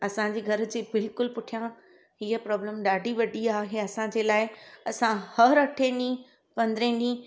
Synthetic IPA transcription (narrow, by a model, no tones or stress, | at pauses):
ɐsãɲd͡ʑeːɡʱɐɾʊ̆d͡ʑeːbɪlkʊlpʊʈʰijã | ɦiːəpɾɔːbləmɗaːɖʱiʋɐɖiaːɦeɐsãd͡ʑeːlaːɪɐsãhɐɾɐʈʰẽnĩ | pɐ̃nd̪ɪɾẽːnd̪ĩ